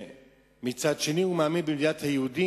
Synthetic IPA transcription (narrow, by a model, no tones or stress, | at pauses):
mit͡sʰat͡ʃʰiniumamibidiat̪ʰajud̪i